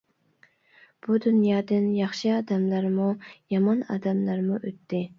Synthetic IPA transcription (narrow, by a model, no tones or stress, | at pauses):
b̥ud̪unjɑːd̪ɪnjɑχʃɨɑːd̪ɛmlˠɑɾmujɑmɑnɑ̰ːd̪ɛmlˠɑɾmuʔøt̪ʰːɪ